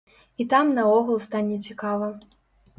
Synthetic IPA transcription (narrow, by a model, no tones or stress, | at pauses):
it̪amnɐɔɣulˠst̪anʲɛt͡sʲikavɐ